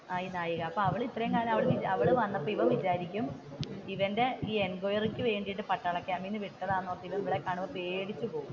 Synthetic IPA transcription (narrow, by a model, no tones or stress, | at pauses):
aːinaːjuɣɐɐpːoɐʋiɭit̪ːrɐjeŋkaːnmɐʋiɭɨʋid͡ʑɐʋiɭɨʋɐnːɐpːoiʋɐʋid͡ʑaːɾikʲːum | iʋɐnde̞iːenɡojɐrikʲːɨʋe̞ːɳɖijʈːɨpɐʈːɐɭɐkːeɐmiːnːɨʋiʈːɐðaːnːoːrt̪ːilːɐnʋɐɭekːaːɳuʋɐpe̞ːɽit͡ɕːupo̞ːɣum